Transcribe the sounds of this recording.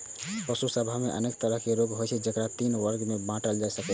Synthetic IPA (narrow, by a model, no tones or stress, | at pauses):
pəsusəbʱameʔə̰nekt̪əɾəɦkeɾoɡɦojt͡ʃʰɛd͡ʒəkɾat̪inwəɾɡmebãʈəld͡ʒajsəkɛ